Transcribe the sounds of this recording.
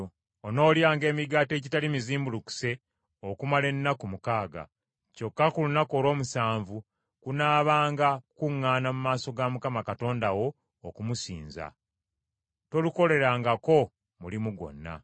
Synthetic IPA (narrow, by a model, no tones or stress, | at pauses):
ono̞ːljaːŋɡe̞ːmiɡaːte̞ːcitalimiziːmbuluku̥se̞ | okumale̞nːakumukaːɡa̰ | co̞kːakulunako̞ːlwo̞ːmusaːɱvu | kunaːβaːŋɡakuŋːaːnamumaːso̞ɡamukamakato̞ːndawo̞ː | kumusḭːnza̰ | to̞luko̞le̞ɾaːŋɡako̞ | mulimuɡo̞̰nːa̰